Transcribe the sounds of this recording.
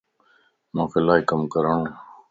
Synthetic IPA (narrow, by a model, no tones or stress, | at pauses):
mãːxɪlaːikəmkəɾəɳõ